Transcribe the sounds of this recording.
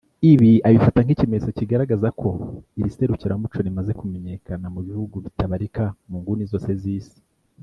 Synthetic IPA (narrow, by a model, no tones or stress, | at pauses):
iβiaβifataŋɡicimeesociɡaɾaɡazakʰo̞iɾise̞ɾuciɾamut͡ʃo̞ɾimaze̞kume̞ɲe̞kanamuβihuɡuβitaβaɾikamuːŋɡunizo̞ːse̞ziːsi̥